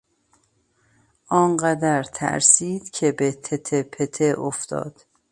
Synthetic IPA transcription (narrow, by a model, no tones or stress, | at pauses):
ʔɒːnɢæd̪æɾt̪ʰæ̰ɾsiːd̪̥cʰe̞bet̪ʰet̪ʰepʰet̪ʰeʔoft̪ɒ̰ːd̪̥